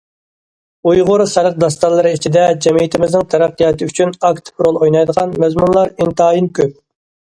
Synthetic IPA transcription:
ujʁʊɾsæɾəq̚d̪ɑst̪ɑlˠːəɾɨit͡ʃʰid̪ɛd͡ʒɛmijit̪ʰɪmɪznɪŋt̪ʰɛɾæqːijɑt̪ɨyt͡ʃʰynɑkt̪pʰɾolˠojnɑjd̪əʁɑnmɛzmunlˠɑɾint̪ɑːjinkʲʰøp̚

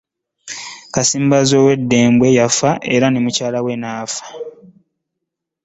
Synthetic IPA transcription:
kasiːmbazo̞ːwe̞dːe̞ːmbwe̞jafaʔe̞ɾanemucaːlawe̞naːfḁ

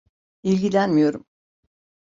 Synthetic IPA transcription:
ilʲɟilʲænmijo̞ɾum

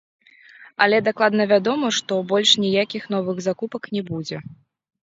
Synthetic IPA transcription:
ɐlʲɛd̪aklˠad̪nɐvʲad̪ɔmɐʂt̪ɔbɔlʲʂnʲijakʲixn̪ɔvɨɣzakupɐknʲɛbud͡zʲɛ

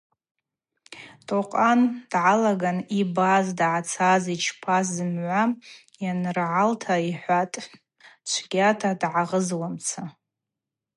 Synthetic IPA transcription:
tʼoqʼand̥ʕalaɡanibazdʕat͡sʰazit͡ʃʰpʰazzɨmʕʷa | janrʕaltʰaiħʷatʼ | t͡ʃʷʰɡʲatʰadʕaʁəzwamt͡sʰa

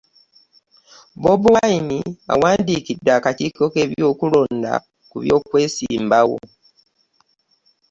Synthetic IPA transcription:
bobuwainia̰waːndiːkidːaːkatikoke̞βjoːkulo̞ːnda̰ | kuβjo̞ːkwe̞ːsiːmbawo̰

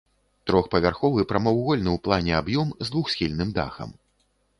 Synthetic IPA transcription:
t̪ɾɔxpɐvʲarxɔvɨpɾɐmɔwɣɔlʲnɨwplˠanʲɛabjɔmzd̪vuxsʲxʲilʲnɨmd̪a̰xɐ̰m

